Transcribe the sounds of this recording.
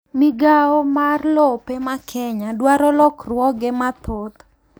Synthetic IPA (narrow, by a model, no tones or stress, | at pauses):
miɡaomarlɔpemakʰɛɲadwaɾɔlɔkrwɔɡemat̪ot̪